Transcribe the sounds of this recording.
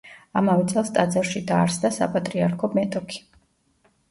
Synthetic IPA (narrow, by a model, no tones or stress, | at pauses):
amavɛt̪sʼɛlˠst̪ʼad̪zaɾʃid̪aːɾsd̪asa̰pʼat̪ʼɾiaɾkʰɔmɛt̪ʼɔkʰi̥